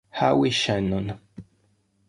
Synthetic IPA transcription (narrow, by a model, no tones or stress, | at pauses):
hawiʃanun